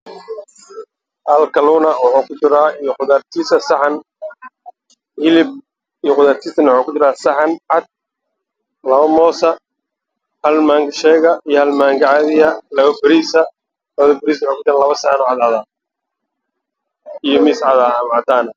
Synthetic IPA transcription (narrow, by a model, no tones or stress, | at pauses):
hɐlkʰɐluːnɐwʊħuːkʰʊt͡ʃɪɾaːijɔqʊðaːrt̪ʰiːsɐsɐħɑn | hɪlɪb̚ | ijɔqʊðaːrt̪ʰiːst̪ɐnwʊħuːkʊt͡ʃɪɾaːsɐħɑnʕɑd̪̚ | lɐβɐmɔːsɐ | hɐlmaːŋɡɐʃɛːɣɐijɞhɐlmaːŋɡɐʕɑːðɪjɐlɐβɐbɪɾiːsɐ | lɐβɐðɐbɪɾiːs̬wʊħuːkʊt͡ʃɪɾalɐβɐsɐħɑnwʊʕɑd̪ʕɑðaː | ijɞmɪsʕɑðamʕɑd̪aːnɐ